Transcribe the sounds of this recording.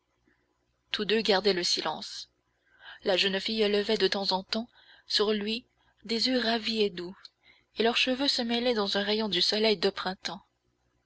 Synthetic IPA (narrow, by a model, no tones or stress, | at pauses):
t̪ud̪øɡaʁd̪ɛləsilɑ̰̃s | laʒənfijləvɛd̪ət̪ɑ̃zɑ̃t̪ɑ̃ | syʁlɥi | d̪ezjøʁavied̪u | elœʁʃəvøsəmɛlɛd̪ɑ̃zɛ̃ʁejɔ̃d̪ysɔlɛjd̪əpχɛ̃t̪ɑ̃